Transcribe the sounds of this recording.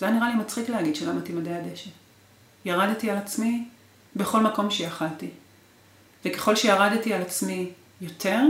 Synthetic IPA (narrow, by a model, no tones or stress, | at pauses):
zejaniʁalimat͡sχikleɦaɡid̪ʃelamat̪imadeadeʃet | jaʁad̪tialat͡smi | be̞χo̞lmako̞mʃejaχalti | vekeχo̞lʃejaʁadtialat͡smi | jo̞tʰe̞ʁ